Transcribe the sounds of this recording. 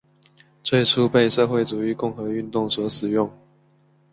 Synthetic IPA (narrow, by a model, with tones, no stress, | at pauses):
t͡sʰwe˥˧ɪʈ͡ʂʰu˥˦pe˥˧ɪʂɤ˥˧xwe˥˩ɪt͡su˨˩y˨˥˦kʊ˥˩ŋxɤ˧˥y˥˧nt̪ʊ˥˨ŋswɔ˨˥ʂɻ̩˨˩jʊ˥˩ŋ